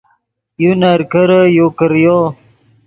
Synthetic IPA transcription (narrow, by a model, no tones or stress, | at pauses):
junaɾkəɾəjokəɾjo